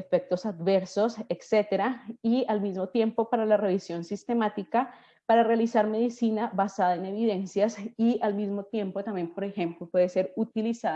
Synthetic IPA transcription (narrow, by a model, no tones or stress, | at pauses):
efek̚t̪o̞sad̪be̞ɾso̞sekse̞t̪eɾaialmizmo̞t̪je̞mpo̞paɾalare̞βisjo̞nsist̪e̞mat̪ika | paɾarealisaɾme̞ðisinaβasaðaene̞βiðe̞nsjasialmizmo̞t̪je̞mpot̪ambje̞mpo̞ɾe̞xe̞mplo̞pweðese̞ɾut̪ilisa